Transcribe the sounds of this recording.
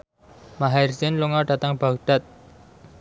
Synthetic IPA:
maɦarsɪnluŋɔɖa̤t̪aŋb̥akɖ̥at̪̚

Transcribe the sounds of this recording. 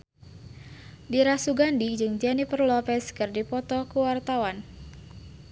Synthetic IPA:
diɾasuɡandid͡ʒɨŋd͡ʒanipərlɔpɛskɨrdipɔt̪ɔkəwart̪awan

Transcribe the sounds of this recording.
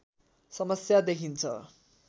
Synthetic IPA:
sʌmʌsjad̪ekʰint͡sʰʌ̰

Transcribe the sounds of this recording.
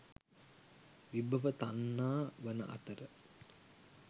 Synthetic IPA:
ʋibəʋət̪anːaːʋənə̰ʔa̰t̪əɾə

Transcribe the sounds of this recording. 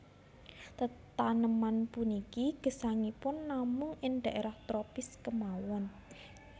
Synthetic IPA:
t̪ət̪anəmanpunikiɡ̥ə̤saŋipʊnːamʊŋɪnd̪̥ä̤ʔeɾaht̪ɾopɪskəmawɔn

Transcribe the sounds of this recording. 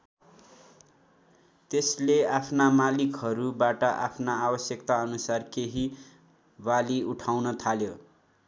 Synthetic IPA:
t̪esleapʰnamalikɦʌɾubaʈʌʔa̰pʰnaabʌsjʌkt̪aʌnusarkeɦi | baliuʈʰawnʌt̪ʰaljo

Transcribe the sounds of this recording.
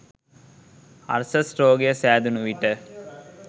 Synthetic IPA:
ɐ̰ɾsəsʈɾoːɡejəsæːd̪unuʋiʈə

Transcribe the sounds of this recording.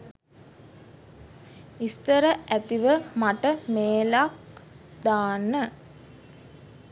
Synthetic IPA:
ist̪əɾəʔæt̪iʋəmaʈəmeːlak̚ | d̪aːnə

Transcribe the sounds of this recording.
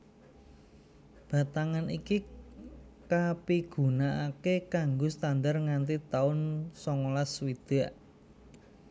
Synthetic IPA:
b̥a̤t̪aŋaniki | kapiɡ̥ṳnaʔakekaŋɡost̪and̪arŋant̪it̪aʊnsɔŋolaswid̪̥a̤ʔ

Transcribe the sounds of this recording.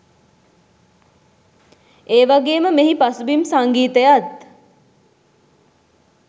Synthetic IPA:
eːʋaɡeːməmeɦipasubimsaŋɡiːt̪əjat̪̚

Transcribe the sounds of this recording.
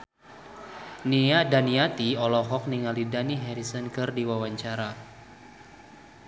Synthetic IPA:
niadaniat̪iɔlɔɦɔk̚niŋalidaniɦɛɾisənkɨrdiwawaɲt͡ʃaɾa

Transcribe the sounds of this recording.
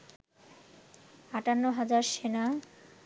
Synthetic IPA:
aʈanːoɦad͡ʑaɾʃena

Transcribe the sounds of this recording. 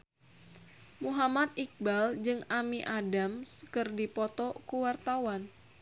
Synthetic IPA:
muɦamat̪̚ik̚bald͡ʒɨŋamiʔadamskɨrdipɔt̪ɔkuwart̪awan

